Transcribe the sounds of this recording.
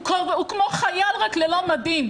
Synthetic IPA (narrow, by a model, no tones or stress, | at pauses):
koukmoχajalʁaklelomad̪im